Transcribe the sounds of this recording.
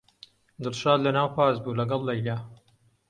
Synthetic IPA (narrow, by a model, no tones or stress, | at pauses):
d̪ɨlʃaːd̪lɐnaːwpaːzbuːlɐɡɐlˠːɐjla